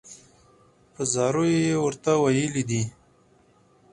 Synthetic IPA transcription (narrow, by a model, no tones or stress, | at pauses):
pəzɑɾojejewəɾt̪awajəlid̪i